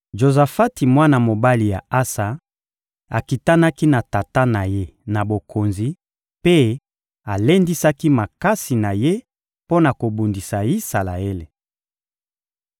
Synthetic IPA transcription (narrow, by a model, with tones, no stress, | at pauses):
ʒo˨za˨fa˦ti˨mwa˦na˨mo˨ba˦li˨ja˨a˦sa˨ | a˨ki˨ta˦na˦ki˦na˨ta˨ta˦na˨je˦na˨bo˨kʰo˨nzi˨ | pe˦ | a˨le˦ndi˦sa˦ki˦ma˨ka˦si˨na˨je˦ | po˦na˨ko˨bu˨ndi˨sa˨i˦sa˨la̰˨e˦le˨